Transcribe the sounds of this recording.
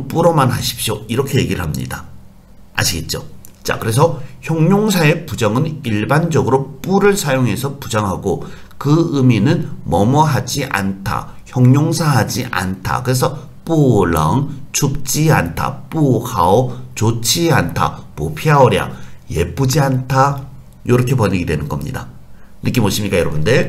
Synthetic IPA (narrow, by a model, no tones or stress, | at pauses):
p͈uɾʌmanhaɕʰi̥p̚ɕ͈joiɾʌkʰe̞je̞ɡiɾɯ̰ɭhamɲḭda | a̰ɕʰiɡe̞t̚t͡ɕ͈ot͡ɕ͈a̰kɯɾe̞s̬ʰʌçjʌŋɲoŋsʰae̞pud͡ʑʌŋɯniɭband͡ʑʌɡɯɾop͈uɾɯɭsʰajoŋɦe̞sʰʌpud͡ʑʌŋɦaɡo | kɯɯminɯnmʌmʌɦad͡ʑiʔa̰ntʰa̰ | çjʌŋɲoŋsʰaɦad͡ʑiʔa̰ntʰa̰kɯɾe̞s̬ʰʌ | p͈uɭʌŋt͡ɕʰuk̚t͡ɕ͈iantʰa̰p͈uhaot͡ɕot͡ɕʰiantʰa̰popʰiaoɾja̰je̞p͈ud͡ʑiantʰa | jʌɾʌkʰe̞pʌɲiɡidwenɯnɡʌmɲḭda | nɯk͈imoɕʰimɲik͈ajɾʌbunde